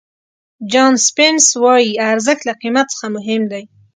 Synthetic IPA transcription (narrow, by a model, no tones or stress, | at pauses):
d͡ʒɑnspɪnswɑjiaɾzəxt̪laqimat̪̚sə̥xamʊɦɪmd̪aj